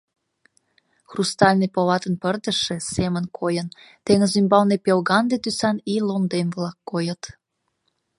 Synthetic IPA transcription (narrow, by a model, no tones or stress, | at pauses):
xrust̪ɑlʲnepoβɑt̪ənpərd̪əʃe̽semənkʰojən | t̪eŋəzymbɑlnepelɣɑnd̪et̪ysɑnilomd̪emβlɑkːojət̪